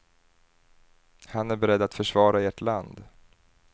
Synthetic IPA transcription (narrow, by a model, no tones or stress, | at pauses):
hanæɾbɛɾɛd̪ːat̪fœʂvɑːɾaeːʈland̪